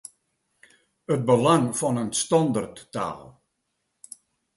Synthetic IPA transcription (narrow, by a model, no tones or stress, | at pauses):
ət̚bəlaŋfɔnənstɔndərtːa̰ːlˠ